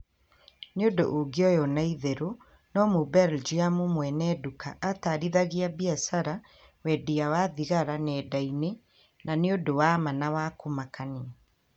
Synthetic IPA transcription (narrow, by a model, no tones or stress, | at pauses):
neodo̰ʔoɡiɔjɔnaiðeɾo | nɔmubɛɾld͡ʒiamumwɛnɛdukaʔːtaːɾiðaɣiabiasaɾa | wɛdiawaðiɣaɾanɛːdaine | naneodowamanawakomakani